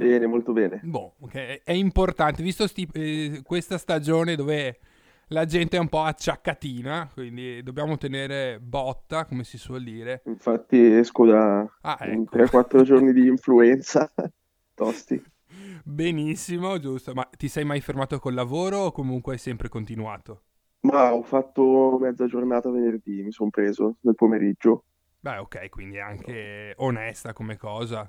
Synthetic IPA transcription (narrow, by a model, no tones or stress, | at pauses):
bɛːnemolt̪obɛːnebɔokɛɛɛimport̪ant̪evist̪ost̪ikwest̪ast̪ad͡ʒoːned̪oːve | lad͡ʒɛnt̪eɛumpɔat͡ʃːakːat̪iːnakwind̪id̪objaːmot̪eneːɾebɔt̪ːakomesiswɔld̪iːɾeiɱfat̪ːiɛskod̪aaɛt̪ɾɛkwat̪ːɾod͡ʒornid̪iːɱfluɛnt̪sa | t̪ɔst̪ḭ | benisːimod͡ʒust̪omat̪ːisɛjmajfermaːt̪okolavoːɾoːkːomuŋkweajsɛmpɾekont̪inuaːt̪o | maɔfːat̪ːomɛd̪zad͡ʒornaːt̪avenerd̪imisompɾeːzonelpomeɾid͡ʒːo | bɛokːɛjkwḭnd̪ia̰ŋkeonɛst̪akomekːɔːza